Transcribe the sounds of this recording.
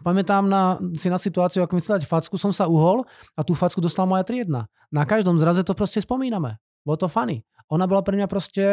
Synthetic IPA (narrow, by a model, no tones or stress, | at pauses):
pamɛt̪aːmnasinasit̪uaːt͡siʊakɔmit͡sɛd̪acfat͡skusɔmsauɦɔlat̪uːfat͡skud̪ɔst̪alamɔjat̪ɾɪɛd̪na̰ | nakaʒd̪ɔmzɾazɛt̪ɔpɾɔscɛspɔmiːnamɛ̰ | bɔlɔt̪ɔfani | ʔɔnabɔlapɾɛmɲapɾɔscɛ